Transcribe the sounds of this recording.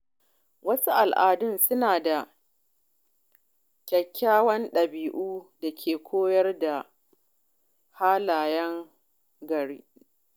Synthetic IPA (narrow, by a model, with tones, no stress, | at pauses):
wɐ˦su˦ʔa˨lʔaː˨dʊ˦nsʊ˦naː˨da˨ | kʲɐ˨kʲʰːaː˦wɐ˦nɗɐ˨biː˨ʔuː˦da˨kʲʰeː˨kʷʰoː˦jɐ˦rda˨ | haː˦laː˨jɐ˦ŋ | ɡɐ˨ɾḭː˦